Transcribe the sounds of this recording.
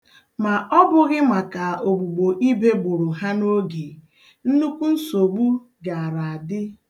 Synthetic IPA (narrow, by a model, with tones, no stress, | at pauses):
ma˨ʔɔ˦bʊ˦ɣɪ˦ma˨ka˨o˨ɡ͡bu˨ɡ͡bo˨ʔi˦be˦ɡ͡bʊ˨ɾʊ˨ɦa˦no˦ɡe˨ | n̩˦nu˦kʷu˦n̩˦so˨ɡ͡bu˦ | ɡa˨a˨ɾa˨a˨dɪ˦